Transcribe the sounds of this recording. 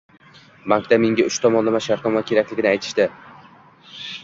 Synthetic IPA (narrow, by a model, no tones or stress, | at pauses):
baŋkd̪amɪŋɡʲaʊʃt̪ʰɒmɒnlamaʃaɾt̪ɒmakʲʰe̞ɾakʲlɪɡʲɪnɪajt̪ʰɪ̥ʃt̪ɪ